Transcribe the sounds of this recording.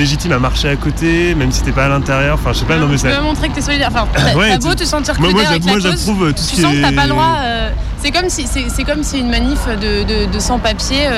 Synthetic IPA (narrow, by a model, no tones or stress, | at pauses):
leʒit̪imamaʁʃeakot̪emɛmsi̥set̪ɛpaːlɛ̃t̪ɛʁjœʁɑ̃fɛ̃ʒəsɛpanɔ̃mesamɔ̃t̪χekət̪yɛsɔlid̪ɛʁɑ̃fɛ̃awɛabot̪əsɑ̃t̪iʁmwamwammwaʒaχuvøt̪usykiɛsɑ̃kt̪ːapald̪ʁwaø | sɛkɔmsisɛsɛkɔmsiynmanifød̪əd̪əd̪əsɑ̃papjeø